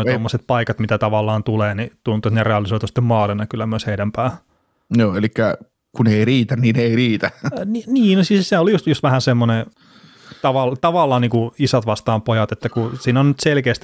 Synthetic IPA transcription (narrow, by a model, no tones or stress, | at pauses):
tomːoset̪̚pɑikɑt̪mit̪æt̪ɑʋɑlːɑːnt̪uleːnit̪unt̪ˑuet̪nereɑlisoit̪usi̥t̪ːemmɑːlenɑkylːæmyøsheidæmpæːh | joːelikːæ | kuneiriːt̪ænnineiriːt̪æniniːnosisseolijust̪just̪ʋæhæsemːone | t̪ɑʋɑlt̪ɑʋɑlːɑːnniːŋkuisɑt̪ʋɑst̪ɑːmpojɑt̪et̪ːækusiːnonnyt̪selkeːst̪